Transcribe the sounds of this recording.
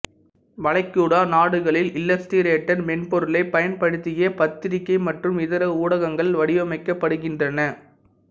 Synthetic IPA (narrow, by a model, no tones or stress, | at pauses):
ʋɐɭɐɪkːuːɽaːnaːɽɯɣɐɭɪlɪlːɐsʈiɾeːʈːɐɾmɛnpɔɾɯlɐɪpɐjɐnpɐɽɯt̪ːɪjeːpɐt̪ːɪɾɪkːɐɪmɐʈrɯmɪðɐɾɐuːɽɐɣɐŋɡɐɭʋɐɽɪʋɐmɐɪkːɐpːɐɽɯɣɪndrɐnɐ